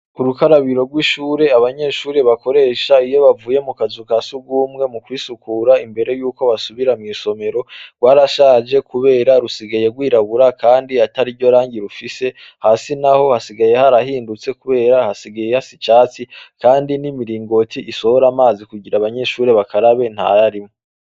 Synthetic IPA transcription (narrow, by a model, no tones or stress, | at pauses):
uɾukaɾaβiɾo̞ɾɡwiːʃuːɾe̞aβaɲe̞ʃuːɾe̞βako̞ɾe̞ːʃaijo̞βavuːje̞mukazukaːsuɡuːmŋe̞mukwiːsukuɾaimbe̞ɾe̞juːkoβasuβiɾamŋiːso̞me̞ɾo̞ɡwaːɾaʃaːd͡ʒe̞kuβe̞ːɾaɾusiɡaje̞ɡwiːɾaβuɾakaːndiataɾiɟo̞ɾaːɲɟiɾufise̞ | hasinaho̞hasiɡaje̞haɾahiːndut͡se̞kuβe̞ːɾahasiɡajehasit͡ʃaːt͡sikaːndinimiɾiːŋɡo̞tʰiʔiso̞ho̞ɾamaːzikuɟiɾaβaɲe̞ʃuːɾe̞βakʰaɾaβe̞n̥ha̰aɾimo